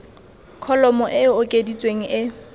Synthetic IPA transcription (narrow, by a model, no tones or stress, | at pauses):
kʰɔlɔmɔʔɪʊkʼedit͡sʼweŋ̩ʔɪ